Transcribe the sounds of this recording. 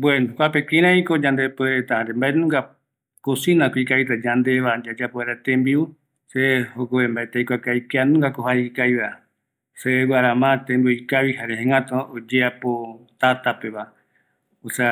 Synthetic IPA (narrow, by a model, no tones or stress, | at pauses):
bwenõkʷapekĩɾãikod͡ʒand̪epeet̪ahaɾembaenũŋɡa | kosinãkuikaβit̪ad͡ʒand̪eβad͡ʒad͡ʒapoeɾat̪ẽmbiu | sehokoβembaet̪eikʷakajkeanũŋɡakoɦaikajβa | sewaɾamãt̪ẽmbioikaβiɦaɾeɦẽŋãt̪ood͡ʒeapot̪at̪apeβa | osea